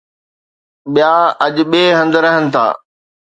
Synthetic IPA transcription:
ɓijaːɐʄɓeːɦɐ̃nd̪ɾɐɦənɪ̆t̪ʰa̰ː

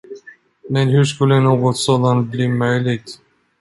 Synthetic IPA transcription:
mɛnhʉʂkɵlːənuːɡɔt̪sɔd̪ɑnbliːmœjlɪɡ

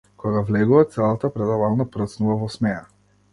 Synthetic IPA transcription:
kɔɡavlɛɡuvat̪sɛlˠat̪apɾɛd̪avalˠnapɾət̪snuvavɔsmɛja

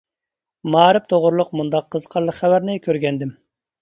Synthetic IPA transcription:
mɑːɾɪpt̪ʰoʁʊɾlˠʊqmund̪ɑqʰːəzqʰɑɾlˠəqχæwæɾnɪkʲʰøɾɡʲɛnd̪ɪm

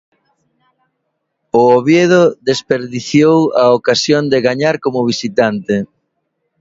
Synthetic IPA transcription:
ʊoβjeð̞oðespeɾðiθjowaokasjond̪ɪɣaɲaɾkomʊβ̞isit̪ant̪ɪ

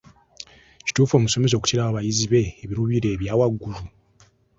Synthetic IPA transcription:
ci̥tuːfo̞ːmuso̞me̞s̬o̞ːku̥tiɾaaβajiziβe̞ːβiɾuβiɾe̞ːβjaːwaɡːulu

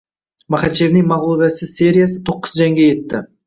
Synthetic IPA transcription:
mɑχɑt̪t͡ʃevnɪŋmɑʁlˠoɡasɪse̞ɾʲijas̬ət̪ʰo̞qːə̥zʒæŋɡʲeje̞t̪ːɪ

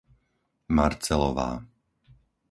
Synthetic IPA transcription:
maɾt͡sɛlɔʋa̰ː

